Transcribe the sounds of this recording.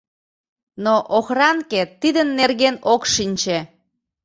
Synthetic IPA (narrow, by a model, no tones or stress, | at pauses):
noʔoxrɑŋket̪ːid̪ənːerɣenokʃinʲt͡ɕe